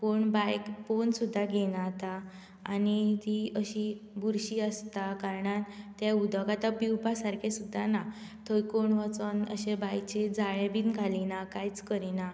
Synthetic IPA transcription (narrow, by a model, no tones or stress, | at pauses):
poɳbajkponsud̪ʱːaɡenat̪aː | nit̪iəɕibuɾɕiːəst̪akaɾɳat̪jaud̪ʱɔkat̪apiwpasaɾkʰesud̪ʱːanat̪ʰəjkoɳʋət͡sənə̰ɕebajt͡ɕed͡zaɭebinɡʱalinakajt͡skəɾina